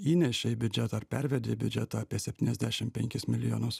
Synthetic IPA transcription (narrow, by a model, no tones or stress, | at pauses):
iːnʲɛʃʲeibʲʊd͡ʒʲɛt̪ɐɾpʲɛɾʲʋʲɛd̪ʲeːbʲʊd͡ʒʲɛt̪oːɐːpʲiɛsʲɛpʲt̪ʲiːnɛzd̪ʲæːʃʲɪmpʲɛŋʲkʲɪsmʲɪlʲɪjoːnʊs